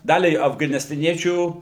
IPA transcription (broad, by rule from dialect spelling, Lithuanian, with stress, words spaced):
ˈdɑːlʲɛɪ ɐfɡɐnʲɪstɐˈnʲiɛt͡ʃʲuː